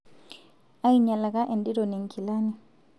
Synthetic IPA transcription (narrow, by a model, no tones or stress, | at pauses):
ajɲalakaʔɛndiɾɔnɛŋkʰilani